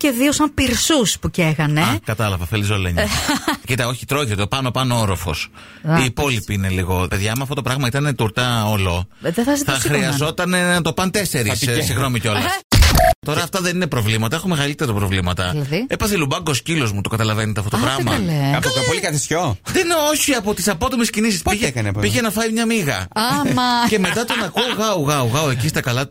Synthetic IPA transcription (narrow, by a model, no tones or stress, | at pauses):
ce̞ðiosɐmpiɾsuspuceɣɐneɐkɐt̪ɐlɐvɐfelisoleɲcit̪ɐo̞çi̥t̪ɾo̞çit̪opɐno̞pɐnooɾo̞fo̞̰s | iːpo̞lipiine̞liɣo̞pe̞ðʝɐmuɐft̪ot̪opɾɐɣmɐit̪ɐne̞t̪uɾt̪ɐolo̞ðeθɐsitθɐxɾiɐzo̞t̪ɐne̞nɐt̪o̞pɐnt̪e̞se̞ɾissiɣno̞miceo̞llɐ | t̪o̞ɾɐːft̪ɐðe̞nine̞pɾo̞vlimɐt̪ɐexomeɣɐlit̪e̞ɾɐpɾo̞vlimɐt̪ɐlɐðiepɐθelubɐŋɡo̞scilo̞zmut̪o̞kɐt̪ɐlɐvenet̪ɐft̪ot̪opɾɐɣmɐleɐfɐopolikɐt̪isçoðenoçiɐpo̞t̪isɐpo̞t̪omescinisispiʝekɐnppiʝenɐfɐjmɲɐmiɣɐ̰mce̞me̞t̪ɐt̪o̞nɐkuoɣɐuɣɐuɣɐoe̞cist̪ɐkɐlɐ